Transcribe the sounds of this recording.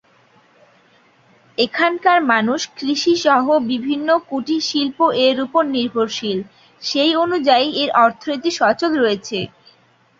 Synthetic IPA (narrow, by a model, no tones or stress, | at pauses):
ekʰankaɾmanuʃkɾiʃiʃɔɦobibʱinːokuʈiʃilpoʔeɾupoɾniɾbʱoɾʃil | ʃejonud͡ʑaieɾʔɔɾt̪ʰonit̪̬iʃɔt͡ɕod̪ɾoet͡ɕʰe